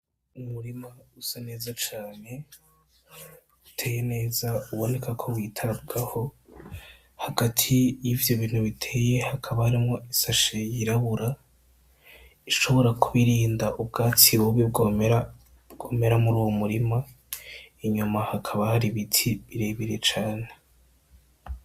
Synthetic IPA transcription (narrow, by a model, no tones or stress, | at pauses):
umuɾimausane̞ːzat͡ʃaːne̞ | utʰe̞ːjene̞ːzauβo̞ne̞kakʰo̞wiːtʰaɾab̚ɡaho̞ | haɡatʰijivjo̞βiːn̥huβitʰe̞ːje̞hakʰaβahaɾimŋo̞isaʃejiɾaβuɾa | iʃo̞βo̞ɾakʰuβiɾiːndaʔubɡaːt͡siwoβibɡomeɾa | bɡ̥oːme̞ɾamuɾuːwomuɾima | iɲumahakʰaβahaɾiβitʰiβiɾe̞βiɾe̞t͡ʃaːne